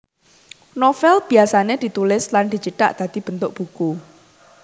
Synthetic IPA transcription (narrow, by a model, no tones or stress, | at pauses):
nofɛlb̥iasaned̪̥i̤t̪ulɪsland̪̥i̤t͡ʃiʈa̰ʔd̪̥a̤d̪̥i̤b̥ənt̪ʊk̚b̥uku